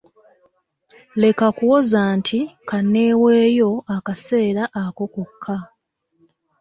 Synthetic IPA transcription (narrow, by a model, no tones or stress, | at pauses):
le̞kakuwo̞zaːntʰikanːeːwe̞ːjo̞akase̞ːɾaʔːko̞kukʰːa